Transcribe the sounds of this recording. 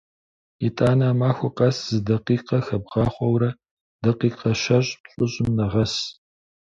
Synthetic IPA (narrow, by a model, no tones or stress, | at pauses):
itʼaːnaːmaːxʷʊqɐszɨdɐqiːqɐxɐb̚ʁɑːχʷɔwɾɐ | d̥ɐqiːqɐʃɐɕʼpɕʼʊɕʼɪmnɐʁɐs